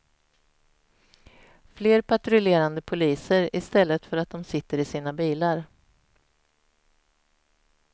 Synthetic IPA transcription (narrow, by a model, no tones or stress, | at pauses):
fleːɾpʰaʈɾʏleːɾand̪əpʰʊliːsəɾɪst̪ɛlːət̪fœɾat̪̚d̪ɔmsɪt̪ːəɾɪsiːnabiːlaɾ